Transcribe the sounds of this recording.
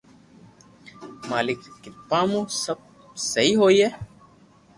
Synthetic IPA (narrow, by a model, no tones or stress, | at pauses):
maːlɪkːipãːmũsɐb̚ | sɐiɦoːiɛ